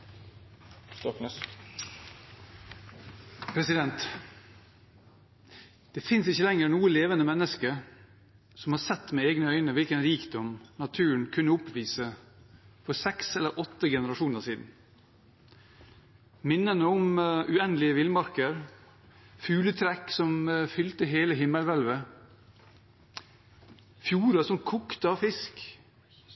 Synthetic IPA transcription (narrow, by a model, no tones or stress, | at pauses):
st̪ɔkː | pʰɾɛsɪd̪ɛnt̪ | d̪̥ɛːfɪnsɪçəlɛŋəɾnuːəleːʋənəmɛnːəskəɾ | sɔmhɑːɾsɛt̪ːmeːeːɡnəœʏnəʋɪlkənɾiːkd̪ɔmnɑt̪ʰʉːəɳkʰʉnːəʊpʋiːsə | fɔsɛksɛləɾʔɔt̪ːəɡɛnəɾɑʂuːnəʂiːd̪n̩ | mɪnːənəɔmʔʉɛnlɪəʋɪlmɑɾkəɾ | fʉːlət̪ʰɾɛksɔmfʏlt̪əɦeːləɦɪmːəlʋœlʋə | fjuːɾəsɔmkʰukt̪əɑʋfɪsk